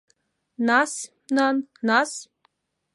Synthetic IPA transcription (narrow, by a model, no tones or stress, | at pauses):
nas | nannas